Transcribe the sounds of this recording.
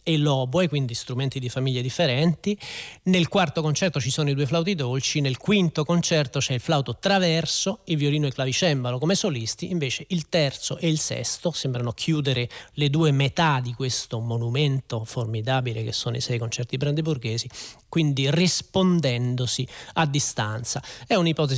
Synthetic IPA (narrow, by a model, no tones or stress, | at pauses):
elɔbwekwind̪ist̪ɾument̪id̪ifamiʎːed̪ifːeɾɛnt̪inelkwart̪okont͡ʃɛrt̪ot͡ʃisoːnoid̪uːeflawt̪̬id̪olt͡ʃinelkwint̪okont͡ʃɛrt̪ot͡ʃɛilflawt̪ot̪ɾavɛrsoilvjoliːnoiklavit͡ʃɛmbalokomesolist̪iiɱveːt͡ʃeʔilt̪ɛrt̪soʔeilsɛ̰st̪osembɾanokʰjuːd̪eɾeled̪uːemet̪ad̪ikwest̪omonument̪oformid̪aːbilek̟esːoːno̰ḭsɛjkont͡ʃɛrt̪ibɾand̪eburɡeːzikwind̪irispond̪ɛnd̪osiad̪ːist̪ant̪saɛunipɔt̪̬e